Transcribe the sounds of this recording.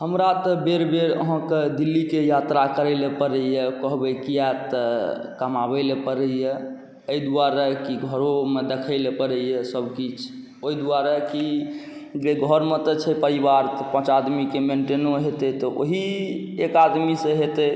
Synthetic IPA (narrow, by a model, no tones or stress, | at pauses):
ɦəmɾat̪ɔbeɾbeɾə̰ɦãked̪ilːikejat̪ɾakəɾəɪlepəɾəjekəɦbəkijat̪ə | kəmabɛlepəɾəje | əid̪uaɾakiɡʱəɾomed̪ekʰəɪlepəɾəjesəbʱkit͡ʃʰ | oid̪uaɾaki | d͡ʒeɡʱɔɾmet̪ɔt͡ʃʰɛpəɾibaɾt̪ɔpə̃t͡ʃad̪mikemeɳʈenoɦet̪ɛt̪ɔʔo̰ɦi | ekad̪miseɦet̪ɛ